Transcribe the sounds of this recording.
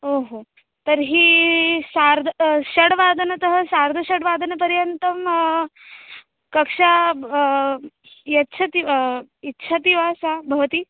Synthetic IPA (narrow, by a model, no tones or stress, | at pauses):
oɦo | t̪əɾɦiːsaɾd̪ʱɕɐɽʋad̪ʱənɐt̪əɦəsaɾd̪ʱɐɕɐɽʋaːd̪ʱənɐpɐɾjənt̪ɐm | kɐkʂa | jɐtːɕʰɐt̪iitːɕʰat̪iʋasabʱɐʋt̪iː